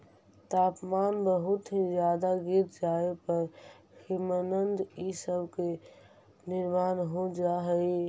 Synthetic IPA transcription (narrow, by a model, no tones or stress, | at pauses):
t̪aːpmaːnbəɦʊt̪ɦĩzjaːd̪aɡit̪d͡ʒaepəɾ | himənənd̪isəbke | nɪɾmaːnɦod͡ʒaɦəi